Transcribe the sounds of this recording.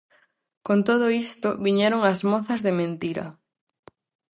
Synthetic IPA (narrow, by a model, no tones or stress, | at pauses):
kont̪oð̞oist̪oβiɲɛɾoŋɐzmoθɐzðemẽnt̪iɾɐ̰